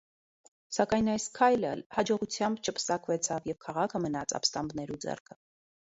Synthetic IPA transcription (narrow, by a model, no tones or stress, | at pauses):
sɑkɑjnɑjskʰɑjləhɑd͡ʒɔʁut͡sʰjɑmbt͡ʃʰəpʰə̥sɑkvɛt͡sʰɑvjɛvkʰɑʁɑkʰəmənɑt͡sʰɑ̰pst̪ɑmbnɛɾud͡zɛ̰rkʰə̥